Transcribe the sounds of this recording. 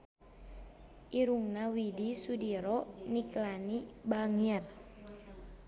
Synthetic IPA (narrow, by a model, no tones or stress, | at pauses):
ʔiɾuŋnawidisudiɾɔniklanibaŋiɛr